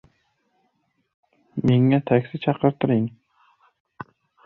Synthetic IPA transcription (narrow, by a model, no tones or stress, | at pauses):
meŋːæt̪ʰækʲsɪt͡ʃʰɑqəɾt̪ɨɾiŋ